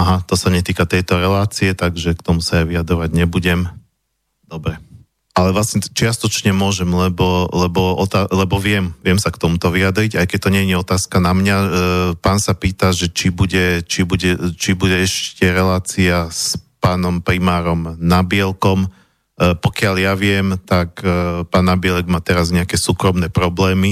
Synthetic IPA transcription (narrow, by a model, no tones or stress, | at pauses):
aɦat̪ɔsaɲɛt̪iːkat̪ɛjt̪ɔɾɛlaːt͡siɛt̪aɡʒɛkt̪ɔmusaaʋijad̪ɾɔʋaɟɲɛbuɟɛm | d̪̥ɔbɾɛ | alɛʋlasɲɛt͡ʃɪast̪ɔt͡ʃɲɛmʊɔʒɛmlɛbɔlɛbɔɔt̪alɛbɔʋɪɛmʋɪɛmsakt̪ɔmut̪ɔʋiad̪ɾiɟajkɛc̚t̪ɔɲɛɲiɔt̪aːskanamɲapaːnsapiːt̪aʒɛt͡ʃibuɟɛt͡ʃibuɟɛt͡ʃibuɟɛɛʃcɛɾɛlaːt͡siaspaːnɔmpɾimaːɾɔmnabɪɛlkɔm | pɔkɪaʎjaʋɪɛmt̪akpaːnːabɪɛlɛɡmaːt̪ɛɾazɲɛakɛsuːkɾɔmnɛːpɾɔblɛːmi